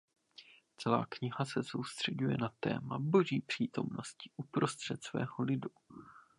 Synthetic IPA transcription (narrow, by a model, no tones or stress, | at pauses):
t͡sɛla̰ːkɲɪɦasɛso̞wst̪r̝̥ɛɟujɛnat̪ɛ̰ːmabo̞ʒiːpr̝̥iːt̪o̞̰mno̞scɪʔupɾo̞st̪r̥ɛt̪svɛ̰ːɦolɪdu